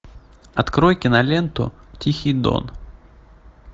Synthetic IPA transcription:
ɐt̪kɾojkʲɪnɐlʲent̪ʊ̰tʲixʲɪjd̪o̰n

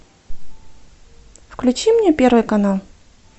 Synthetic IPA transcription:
fklʲʉt͡ɕimnʲepʲerɾvɨjkɐnalˠ

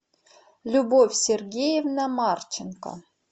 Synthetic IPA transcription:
lʲubofʲsʲerɡʲejevnamart͡ɕɪnka̰

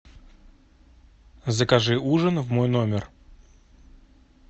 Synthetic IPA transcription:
zəkɐʐɨuʐənvmojnomʲɪr

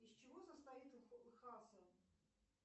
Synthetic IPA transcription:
isʲt͡ɕɪvosəst̪ɐit̪xɨxasə

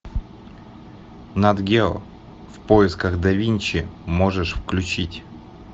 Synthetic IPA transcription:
nɐd̪ɡʲelˠ | fpoɪskəɣd̪ɐvʲinʲt͡ɕɪmoʐɨʂfklʲʉt͡ɕitʲ

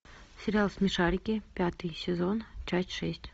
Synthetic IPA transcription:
sʲɪɾʲɪalˠsʲmʲɪʂaɾʲɪkʲɪpʲat̪ɨjsʲɪzo̞nt͡ɕasʲtʲʂɛsʲtʲ

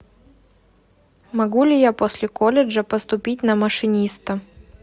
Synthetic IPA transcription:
mɐɡulʲɪjaposʲlʲɪkolʲɪʐəpəst̪ʊpʲit̬̚ʲnəməʂɨnʲist̪ə

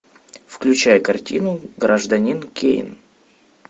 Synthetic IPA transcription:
fklʲʉt͡ɕæjəkɐrtʲḭnʊɡɾʔəʐd̪ɐnʲinkʲḛɪ̰n

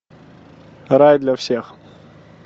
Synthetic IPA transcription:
rajd̪lʲɐfsʲex

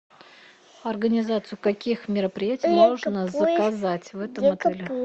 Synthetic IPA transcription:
ɐrɡənʲɪzat̪sɨjʊkɐkʲixmʲɪɾəpɾʲɪjætʲɪɪjmoʐnəzəkɐzatʲvɛt̪əmɐt̪ɛlʲɪ

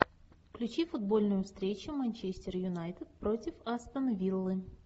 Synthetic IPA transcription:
klʲʉt͡ɕifʊd̪bo̞lʲnʊjʊfst̪ɾʲet͡ɕʊmɐnʲt͡ɕesʲtʲɪrjʊnajt̪ɨt̪̚pɾo̞tʲɪfɐst̪ənɐvʲilˠːɨ

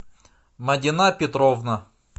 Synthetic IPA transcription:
mɐdʲɪnapʲɪt̪ɾovnɐ

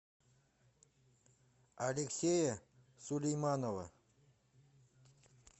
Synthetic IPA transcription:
alʲeksʲejə | sulʲejmɑnovə̰

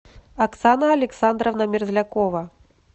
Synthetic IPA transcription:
aksanɐɐlʲɛksand̪ɾɐwnɐmʲirzʲlʲakɔvɐ

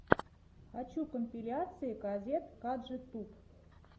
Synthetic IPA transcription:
xat͡ɕukomʲpʲilʲat̪t͡sɨjəɡɑzʲet̪kɑd̪ʒə̆t̪up

